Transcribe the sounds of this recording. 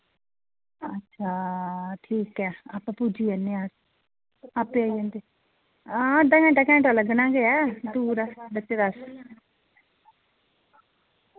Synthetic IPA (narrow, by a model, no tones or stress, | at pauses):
ətːʃʰaːʈʰiːkɛːaːpːɛ̃ːpud͡ʒiːɛnːeːaːs | aːpːeaːiə̃ːnd̪eː | ãːd̪ãːkɛ̃ːʈaːkɛ̃ːɳʈaləɡnãːɡeɛːd̪uːɾɛːbət͡ʃːed̪as